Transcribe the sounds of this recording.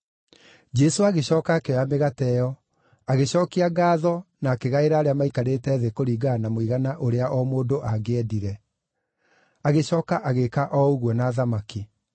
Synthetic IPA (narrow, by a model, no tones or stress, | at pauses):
d͡ʒɛsoaɣeɕɔːkaːkeɔjameɣatɛjɔ | aɣeɕɔːkiaɡaːðɔnaːkeɣaeɾaːɾeamaikaɾetɛːðekoɾiːɡanamoiɣanaʔoɾeaʔɔmoːdoʔaɡeɛdiɾɛ | aɣeɕɔːkaʔaɣekaʔɔuɣwɔnaːðamaki